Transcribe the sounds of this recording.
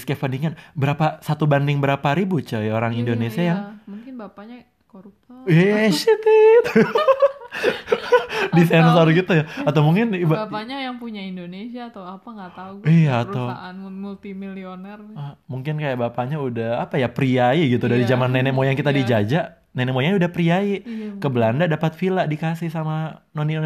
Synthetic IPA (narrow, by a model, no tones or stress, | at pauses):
skefaniŋanbəɾapasat̪ubandɪŋbəɾapaɾibut͡ʃəjoɾaŋindonesiajaŋmuŋkɪnbapaɲa | koɾupaʃit̪it̪ | dis̬ajnsaɾuɡit̪ujaat̪awmuŋkɪnbbapaɲajaŋpuɲaindonesiaːt̪awapaŋɡaauijaːt̪awanmult̪imilionɛrmuŋkɪnkajaʔbapaɲaudahapajapɾiaiɡit̪udaɾid͡ʒamanːɛnɛʔmojaŋkit̪adid͡ʒad͡ʒaʔ | nɛnɛmojaŋɲudahpɾiaikəbəlandadapat̪filaʔdikasɪhsamanoni